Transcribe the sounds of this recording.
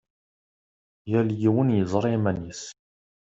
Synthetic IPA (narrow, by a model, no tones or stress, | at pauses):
jæljiwənjəzˤɾˤimænis